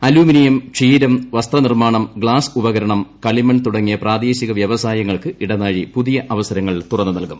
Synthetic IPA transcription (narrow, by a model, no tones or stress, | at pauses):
ɐluːminijɐmt͡ɕiːɾɐmʋɐst̪rɐnirmaːɳɐmɡɭaːsubɐɣɐɾɐɳɐmkɐɭimɐɳɖt̪uɽɐŋːijɐpraːd̪e̞ːɕiɣɐʋjɐʋɐsaːjɐŋːɐɭkɨiɽɐnaːɻipuðijɐʔɐʋɐsɐɾɐŋːɐɭt̪urɐnːɨnɐlkum